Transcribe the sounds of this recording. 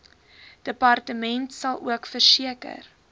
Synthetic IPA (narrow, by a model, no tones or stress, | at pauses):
d̥əpɐrtəmɛntsɐlˠṵəkfərsiəkə̰r